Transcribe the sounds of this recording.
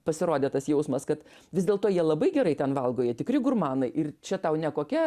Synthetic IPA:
pɐsʲɪɾoːd̪ʲeːt̪ɐsjɛʊsmɐskɐt̪ | ʋʲɪzd̪ʲeːlˠt̪oːjiɛlˠɐbɐɪɡʲɛɾɐɪt̪ʲɛnʋɐlˠɡoːjeɛt̪ʲɪkɾʲɪɡʊrmɑːnɐɪʔɪrt͡ʃʲɛt̪ɐʊnʲɛkoːkʲɛ

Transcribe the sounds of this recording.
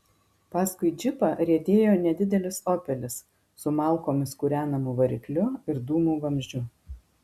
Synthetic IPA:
pɑːskʊɪd͡ʒʲɪpɐɾʲiɛd̪ʲeːjoːnʲɛd̪ʲɪd̪ʲɛlʲɪsoːpʲɛlʲɪsː | ʊmɑˑlˠˑkoːmʲɪskuɾʲæːnɐmuːʋɐɾʲɪklʲʊɪɾd̪uːmuːʋɐmʲʒʲd͡ʒʲʊ

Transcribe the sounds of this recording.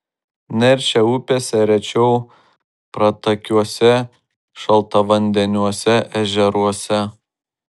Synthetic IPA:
nʲɛɾʲʃʲɛʊpʲeːsʲɛɾʲɛt͡ʃʲɛʊ | pɾɐt̪ɐkʲuɔsʲɛ | ʃɐlˠt̪ɐʋɐnʲd̪ʲɛnʲuɔsʲɛʔɛʒʲɛɾuɔsʲɛ

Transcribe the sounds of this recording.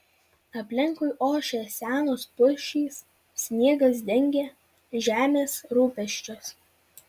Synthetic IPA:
ɐpʲlʲɪŋˑkʊɪʔoːʃʲeːsʲæːnoːspʊʃʲiːs | sʲnʲiɛɡɐs̬d̪ʲɛŋʲɡʲeː | ʒʲæːmʲeːsɾuːpʲɛʃʲt͡ʃʲos

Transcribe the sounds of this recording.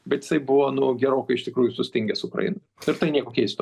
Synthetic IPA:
bʲɛt̪jɪ̥sɐɪbʊʋoːnʊɡʲɛɾoːkɐɪɪʃt̪ʲɪkɾuːjʊsʊsʲt̪ʲɪŋʲɡʲɛsʊʊkɾɐ̰jɪ̰no | ɪɾt̪ɐɪnʲiɛkoːkʲiɛsʲt̪

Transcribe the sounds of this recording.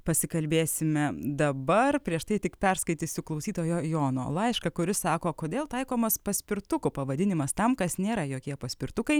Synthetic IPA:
pɐsʲɪkɐlʲbʲeːsʲɪmʲɛd̪ɐbɐrpʲɾʲiɛʃt̪ɐɪt̪ʲɪkpʲɛrskɐɪt̪ʲɪsʲʊklˠɐʊsʲiːt̪oːjoːjoːno̰ːlˠɐɪʃkɐkʊɾʲɪsɑːkoːkoːd̪ʲeːlˠt̪ɐɪkoːmɐspɐsʲpʲɪɾt̪ʊkʊpɐʋɐd̪ʲɪnʲɪmɐst̪ɐmkɐsnʲeːɾɐjoːkʲiɛpɐsʲpʲɪɾt̪ʊkɐɪ

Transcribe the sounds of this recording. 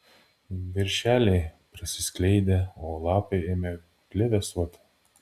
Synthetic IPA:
ʋʲɪɾʲʃʲæːlʲeɪpʲɾʲɪsʲɪsʲklʲɛɪd̪ʲeoːlˠɑːpɐɪemʲe | kʲlʲɪʋʲɛsuɔt̪ʲɪ̥

